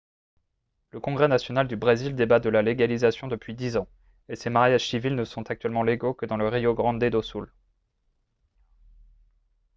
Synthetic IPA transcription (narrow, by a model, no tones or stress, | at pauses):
ləkɔ̃ɡʁɛnasjɔnald̪ybʁezild̪ebat̪̚d̪əlaleɡalizasjɔ̃d̪əpɥid̪izɑ̃ | esemaʁjaʒ̥sivilnəsɔ̃t̪ak̚t̪ɥɛlmɑ̃leɡokəd̪ɑ̃ləʁijoɡʁɑ̃d̪ed̪osul